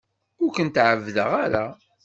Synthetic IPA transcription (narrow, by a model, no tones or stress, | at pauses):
ʊɾkənt̪ʕəvðə̰ʁaɾa